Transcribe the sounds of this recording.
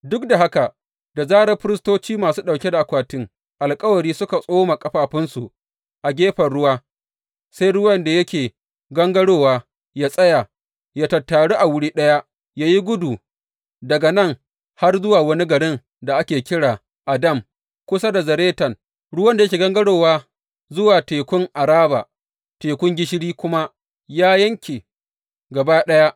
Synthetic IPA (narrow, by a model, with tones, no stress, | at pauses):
dʊ˦k̚da˨ɦa˦ka˨ | da˨zaː˦ɽɐ˦ɸɪ˦ɾɪ˦stoː˦t͡ʃiː˦maː˨suː˦ɗa˨kʲe˦da˨ʔa˨kʷaː˨tɪ˦ŋ | ʔa˨lkʼɐ˦wɐ˨ɽiː˦sʊ˦ka˨sʼoː˦ma˨kʼɐ˦ɸaː˦ɸɪ˦nsu˨ʔ | ʔa˨ɡʲeː˦ɸɐ˨rɽʊ˦waː˦ | sa˦jɽʊ˦wɐ˦nda˨jɐ˦kʲeː˨ | ɡɐ˦ŋɡɐ˦ɽoː˦waː˦ | jaː˦sʼɐ˦ja˨ | ja˦tɐ˨tːaː˨ɽu˦ʔa˨wʊ˦ɽiː˦ɗɐ˦ja˦ʔ | jaː˦ji˦ɡʷʊ˦duː˨ | dɐ˨ɡa˨nɐ˦˨ŋ | ha˦rzʊ˦waː˨wɐ˦ni˦ɡɐ˨ɽɪ˦ŋ | da˨ʔa˦kʲeː˨kʲɪ˦ɽaː˨ | ʔa˨dɐ˦˨m | kʷʊ˦sa˦da˨zɐ˨ɾeː˦tɐ˨ŋ | ɽʊ˦wɐ˦nda˨jkʲeː˨ɡɐ˦ŋɡɐ˦ɽoː˨waː˦ | zʊ˦waː˨teː˨kʷʊ˦ŋʔa˨ɾaː˦ba̰ː˨ | teː˨kʷʊ˦ŋɡʲɪ˦ʃɪ˦ɽiː˦kʷʊ˦ma˦ | jaː˦jɐ˦ŋkʲeː˨ | ɡɐ˨baː˦ɗɐ˦ja˦ʔ